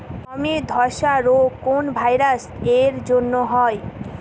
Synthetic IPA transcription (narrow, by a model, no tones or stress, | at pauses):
amid̪ʱɔɾʃaɾokonbʱajɾaseɾd͡ʑonːoɦɔj